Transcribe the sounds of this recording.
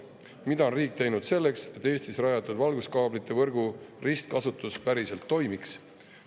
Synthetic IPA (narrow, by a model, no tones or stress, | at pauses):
mid̪ɑonriːk̚t̪e̞jnud̪̥se̞lːekse̞t̪ːˑe̞ːst̪isræjɑt̪ːˑud̪̥vɑlɡuskɑːblit̪ːe̞vɤrɡ̥urist̪̚kɑsut̪ːˑuspæɾise̞lt̪ːo̞jmiks